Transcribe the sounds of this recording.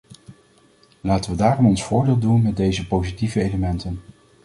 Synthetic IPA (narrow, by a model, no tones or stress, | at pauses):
laːtəʋədaːrɔmɔnsfʊːɹdeːlˠdunmɛd̚dejzəpowzitivəejləmɛntən